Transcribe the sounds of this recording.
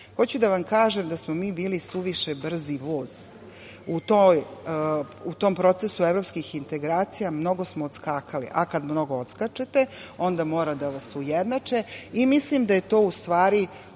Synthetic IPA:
xo̞t͡ɕud̪aʋamkaːʒemd̪asmomiːbiːlisuʋiʃebr̩ziʋoːz̥ | ut̪oj | ut̪o̞ːmpɾo̞t̪esuevɾo̞pskixint̪e̞ɡɾaːt̪sijamno̞ɡo̞smoːt̪skaːkʰalḭʔakad̪mno̞ɡoot̪skat͡ʃet̪eo̞nd̪amo̞ːɾad̪aʋasujed̪nat͡ʂeimislimd̪aje̞t̪o̞ːust̪ʋaːɾi

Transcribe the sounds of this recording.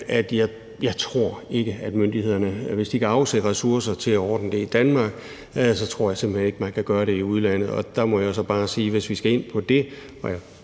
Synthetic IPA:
æd̥jɑ̈ɪ | jɑ̈ɪt͡sʰʁo̝ɐ̰e̝ɡ̥əæd̥mønd̥ihe̝ð̞̰ˠɐnəʋe̝sd̥ikʰæɑ̈ʊsedʁɛsuɐsɐt͡sʰe̝læɒːd̥n̩əd̥e̝id̥ænmɑ̈ːɡ̥ | sɒ̽t͡sʰʁo̝̰ɐ̰jɑ̈se̝m̰b̥lhene̝ɡ̥əmænkʰæɡ̥ɶːɐɾe̝iuð̞ˠlæn̰ð̞̩ˠɒ̽d̥ɑ̈mɒ̽jas̬ɒ̽b̥ɑ̈ːsiːʋe̝sʋisɡ̥æe̝n̰pʰɒ̽d̥e̝ | ɒja

